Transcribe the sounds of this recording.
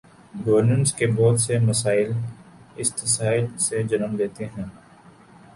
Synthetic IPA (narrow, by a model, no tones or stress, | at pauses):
ɡɐʋəɾnə̃ɳʈskebɔːd̪semɐsaːɪlɪst̪ɪsaːɪlsed͡ʒɐnəmleːt̪eɦɛ̃ː